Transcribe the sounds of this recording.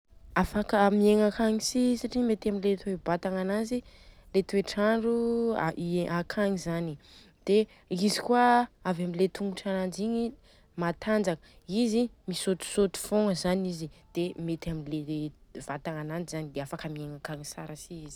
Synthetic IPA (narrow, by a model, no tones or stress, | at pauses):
afakəmieŋakaŋisisaʈ͡ʂimet̪amilet̪uebat̪aŋananzi | let̪ueʈ͡ʂaɳɖ͡ʐuaʔakʰaŋizani | d̪̥e | izikwaavamilet̪ʰuŋɡuʈ͡ʂanand͡ʒiɲi | mat̪and͡zakə | izimisot̪u̥sot̪u̥foŋəzanizid̪̥emet̪amileev̥at̪aŋanand͡ʒizanid̪eafakamieŋakaŋisaɾəsiizi̥